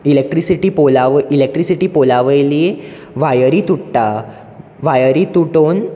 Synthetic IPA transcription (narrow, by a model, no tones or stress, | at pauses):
ilek̚ʈɾisiʈipolaʋəʔilek̚ʈɾisiʈipolaʋəjlie | ʋajəɾit̪uʈːa | ʋajəɾit̪uʈoːn